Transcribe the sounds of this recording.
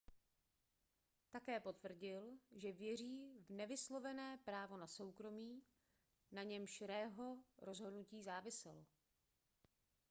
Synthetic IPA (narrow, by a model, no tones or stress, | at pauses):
t̪akɛːpo̞t̪vr̩ɟɪlʒɛvjɛr̝iːvnɛvɪslo̞vɛnɛːpɾaːvo̞naso̞wkɾo̞miː | naɲɛmʃɪɾɛːɦo̞ɾo̞zɦo̞dnuciːzaːvɪsɛlo